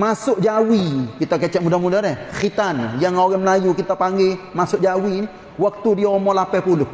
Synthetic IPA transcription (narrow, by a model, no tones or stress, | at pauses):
masʊʔ̚d͡ʒawikit̪ak̬ɛt͡ʃɛʔmudamudaɾɛkkit̪anjaŋoɡɛməlajukit̪apaŋɡemasʊkd͡ʒawini | wak̚t̪udiaɔmɔlapɛpulʊh